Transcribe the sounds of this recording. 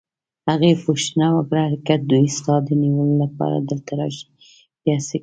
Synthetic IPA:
haɣepoʃnawaɡɾaaɾakat̪̚d̪uist̪ɑd̪əniwəlolapɑ̰ɾa̰d̪əlt̪aɾɑ̰ʃi̥ | bjase

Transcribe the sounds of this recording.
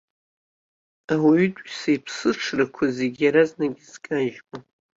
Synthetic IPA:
awaɥytʼsajpʰsɨʈ͡ʂʰrakʷʰaziɡʲjaɾaznaɡʲiz̥kʼaʒmʼa

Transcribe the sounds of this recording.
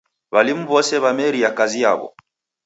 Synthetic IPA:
βalimuβɔsɛβamɛɾiakazija̰βɔ̰

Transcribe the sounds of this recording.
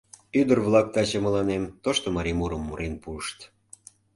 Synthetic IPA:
yd̪ərβlɑk̚t̪ɑt͡ɕəməlɑnemt̪oʃt̪omɑɾimuɾəmːuɾenpuəʃt̪

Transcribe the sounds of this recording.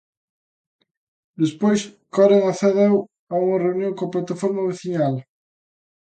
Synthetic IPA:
d̪espojskɔreŋaθɛðɛw | auŋɐreunjõŋkoaplat̪afɔɾmɐβeθiɲal

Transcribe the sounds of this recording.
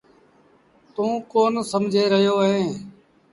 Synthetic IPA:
t̪ũːkoːnsəmd͡ʒʱeːɾəɦjoːɦẽː

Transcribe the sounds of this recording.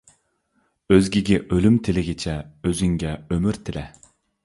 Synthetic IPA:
øzɡʲɪɡʲɪʔølymt̪ʰɪlɪɡʲɪt͡ʃʰɛøzyŋɡʲɛømyɾt̪ʰɪlɛ

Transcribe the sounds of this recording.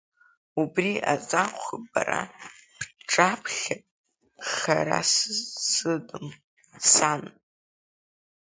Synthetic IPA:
ubriat͡sʼaqʷɪbara | ʈ͡ʂʼapʰχʲapʼ | χaɾa̰sɨsɨdɨm | san

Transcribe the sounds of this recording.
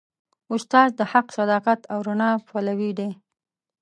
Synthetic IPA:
ʊst̪ɑzd̪əhaqsad̪ɑqat̪awɾʊnɑpalawid̪e

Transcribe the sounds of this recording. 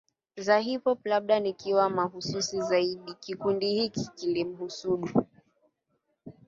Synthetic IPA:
zaɦipɔplaɓ̚ɗanikiwamaɦususizaiɗikikundihikikilim̩husuɗu

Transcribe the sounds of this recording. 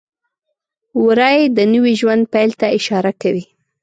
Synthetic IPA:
wɾɑjd̪ənəwiʒwand̪̚pajlt̪aɪʃɑɾakawi

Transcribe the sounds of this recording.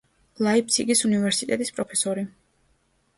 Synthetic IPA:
laip̚ʰt̪sʰiɡisunivɛɾsit̪ʼɛt̪ʼispʼɾɔpʰɛsɔɾi

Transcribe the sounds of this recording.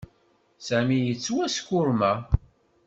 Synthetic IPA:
sæmijət͡sːwæskːʊɾmæ

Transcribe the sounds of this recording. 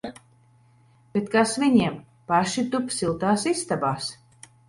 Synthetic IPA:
b̥et̪kasviɲiɛm | paʃit̪upsilˠt̪aːsist̪abaːs

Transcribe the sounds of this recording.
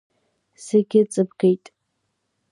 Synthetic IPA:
seɡʲɪt͡sʼɨbɡejtʼ

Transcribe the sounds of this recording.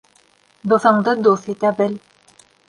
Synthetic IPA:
d̪ŏθɤ̆ɴd̪ɤd̪uθit̪æbɘ̆l

